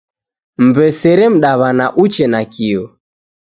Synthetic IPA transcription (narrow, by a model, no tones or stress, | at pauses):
m̩bɛsɛɾɛm̩ɗaβanaʔut͡ʃɛnakiɔ